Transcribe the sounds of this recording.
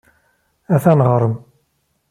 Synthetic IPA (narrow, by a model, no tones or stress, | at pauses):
æθænʁɾˤəm